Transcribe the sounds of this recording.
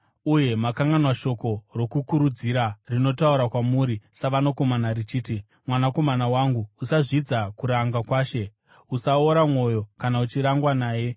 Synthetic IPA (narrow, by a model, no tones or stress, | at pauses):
uje̞makaŋɡanwaʃo̞ko̞ro̞kukuɾud͡ziɾarino̞tauɾakwamuɾisaʋanoko̞manarit͡ʃiːti | mwanako̞manawaŋɡuusaʐid͡zakuɾaŋɡakwaːʃe̞ | usaoɾamwo̞jo̞kanaut͡ʃiɾaŋɡwanaːje̞